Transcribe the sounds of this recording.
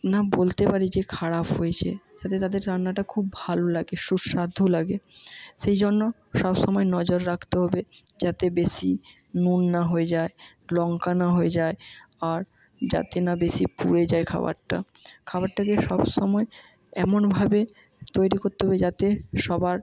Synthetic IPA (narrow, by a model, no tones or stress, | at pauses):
nabolt̪epaɾid͡ʑekʰaɾapɦoet͡ɕʰḛd͡ʑat̪et̪ad̪eɾɾanːaʈakʰubbʱalolaɡeʃuɾʃad̪ʱːolaɡeʃejd͡ʑonːo | ʃɔbʃɔmɔenɔd͡ʑoɾːakʰt̪eɦɔbed͡ʑat̪ebeʃi | nunːaɦoed͡ʑae | lɔŋkanaɦoed͡ʑaeaɾ | d͡ʑa̰t̪enabeʃipṵɽed͡ʑaekʰa̰ba̰ɾʈa̰kʰabaɾʈakeʃɔbʃɔmɔe | ɛmonbʱabe | t̪ojɾikoɾt̪eɦɔbed͡ʑat̪eʃɔbaɾ